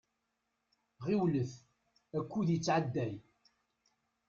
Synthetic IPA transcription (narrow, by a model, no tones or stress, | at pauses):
ʁiwləθ | ækʷːuðjət͡sːʕad̪ːæj